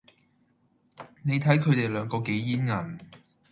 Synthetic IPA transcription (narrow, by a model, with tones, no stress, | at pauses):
ne˨˧jt̪ʰɐ˨˥jkʰɵ˨˧t̪e˨˩jlœː˨˧˥ŋkɔː˧ke˨˥jjiː˥nŋɐ˨˩n